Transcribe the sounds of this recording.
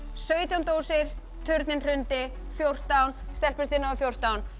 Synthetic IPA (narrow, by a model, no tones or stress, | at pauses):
sœːɥt̪jawnt̪oːwsɪɾ̥ | t̪ʰʏɾt̪nɪnr̥ʏnt̪ɪ | fjowr̥t̪awnst̪ɛlpʏɾ̥θiːnaafjowr̥t̪awn